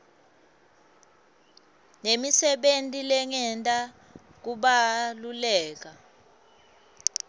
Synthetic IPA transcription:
nemisɛɓentʼilɛŋɛntʼa | k̬uɓalulɛːk̬a

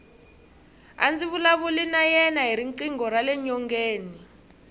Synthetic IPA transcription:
a̰nd͡ziβulaβulinajɛnaɦiɾiŋǃiŋɡɔralɛɲɔŋɡeːni

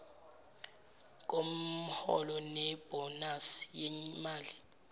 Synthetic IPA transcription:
k̬ʼom̩hɔ̰lɔnɛb̥ɔnasjɛmaːli

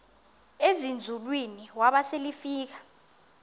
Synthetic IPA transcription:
ezind͡zʱulwiniwaɓaselifiːk̬ḁ

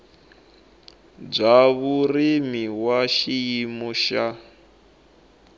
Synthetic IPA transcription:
b͡ʐaβurimiwaʃijimɔʃa

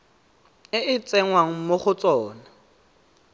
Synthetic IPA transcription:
ɪʔɪt͡sʼɛŋwaŋ̩moχʊt͡sʼɔːna

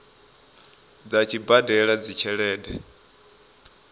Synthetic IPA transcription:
d͡zat͡ʃʰibadɛɺad͡zit͡ʃʰɛɺɛːɗɛ

